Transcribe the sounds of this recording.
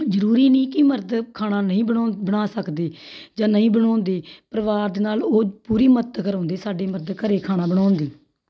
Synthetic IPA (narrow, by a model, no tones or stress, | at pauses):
zəɾuːɾiːnĩːkɪməɾd̪kʰaːnaːnəɦĩːbəɳoːbəɳ̃aːsəkd̪eːd͡ʒãːnəɦĩːbəɽ̃õːnd̪eːpɾəʋaːɾd̪eːnaːloːpuːɾiːmət̪kəɾõːnd̪eːsaːɖeːməɾd̪kʰəɾeːkʰaːɽaːbəɽ̃ãːnd̪iː